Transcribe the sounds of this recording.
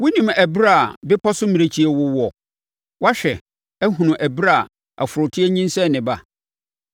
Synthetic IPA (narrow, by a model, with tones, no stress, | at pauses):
wʊ˦nĩ˨mæ˨bɾa˦˨bɪ˦pʰɔ˦sʊ˦mĩ˨ɾe˦t͡ɕʰi˦ɛ˨wʊ˦wɔ˦ | wʔa˦ɕᶣɛ˨ | æ˦ɦũ˨nʊ̃˨ʔæ˨bɾa˦˨ | a̰˨fʊ˨ɾʊ˨tʰɪ˦ɛ˦ɲĩ˦n˦sɛ̃˦˨nɪ̃˨ba˨